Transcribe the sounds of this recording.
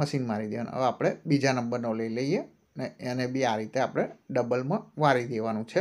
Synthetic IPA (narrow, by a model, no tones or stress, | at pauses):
məʃinmaɾid̪eʋañ̰ə̰ʋapɽ̃ebid͡ʒanəmbəɾnoləiləije | neenebʱiaɾit̪eapɽ̃eɖəbəlmãʋaɾid̪eʋanũt͡ʃʰe